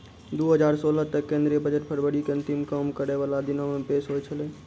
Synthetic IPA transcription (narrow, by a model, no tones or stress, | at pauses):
d̪uɦəd͡ʒaɾsoləɦt̪əkːẽnd̪ɾijəbəd͡ʒəʈpʰəɾbəɽikeə̃nt̪imkəmkəɾeʋalad̪inomepesɦojt͡ʃʰəlɛ̃